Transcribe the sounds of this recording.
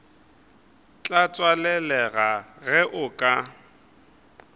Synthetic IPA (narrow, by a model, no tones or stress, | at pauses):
t͡ɬʼat͡sʼwalɛlɛɣaɣɛʔʊkʼa